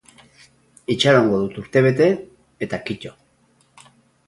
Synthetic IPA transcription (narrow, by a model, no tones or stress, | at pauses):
it͡ʃaɾaoŋɡo̞ðut̪uɾt̪e̞β̞e̞t̪e̞ | et̪akico̞